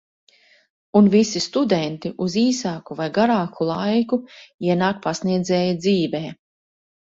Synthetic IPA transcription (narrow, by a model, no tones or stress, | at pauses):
unvisist̪ud̪ɛnt̪iʔuziːsaːkuvajɡaɾaːkʰulˠajkuiɛnaːk̚pasniɛd̪zɛːjad̪ziːvɛː